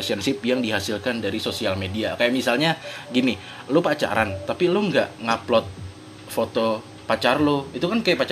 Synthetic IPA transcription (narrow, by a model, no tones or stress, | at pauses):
siɛənsɪp̚jaŋdiɦasilkandaɾisosialmediakajaʔmisalɲaɡini | lopat͡ʃa̰ɾant̪apiloŋɡaʔŋaplɔt̪̚ | fot̪o | pat͡ʃarloit̪ukankajaʔpat͡ʃ